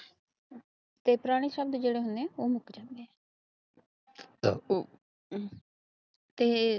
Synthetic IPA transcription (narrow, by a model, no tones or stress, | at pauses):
t̪eːpɾaːɽ̃iːsəb̚d̪d͡ʒeːɽeːɦʊnd̪eɛ̃oːmʊkd͡ʒãːnd̪eːɛː | t̪eː